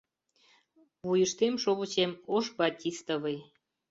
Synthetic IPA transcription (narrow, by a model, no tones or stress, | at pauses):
βujəʃt̪emʃoβə̆t͡ɕemoʃbɑt̪ʲist̪əβəj